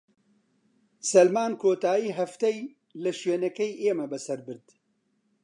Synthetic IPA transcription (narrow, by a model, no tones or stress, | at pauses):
sɐlmaːnkʰoːt̪aːjiːɦɐft̪ɛj | lɨʃɥeːnɛkɛjeːmɐbɨsɐɾbɨɾd̪